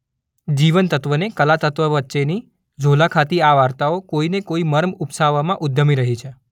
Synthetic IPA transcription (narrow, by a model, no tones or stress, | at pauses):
d͡ʒiʋənt̪ət̪ʋənekəlat̪ət̪ʋəʋətːʃeni | d͡ʒʱolakʰat̪iaʋaɾt̪aokoinekoiməɾmupsaʋamãʔʊd̪ʱːəmiɾəɦit͡ʃʰe